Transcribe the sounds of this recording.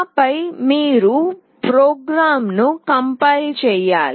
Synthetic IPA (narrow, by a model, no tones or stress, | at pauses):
pɐjmiːɾu | pɾoːɡɾaːmnukɐmpɐjlt͡ʃɛːjaːli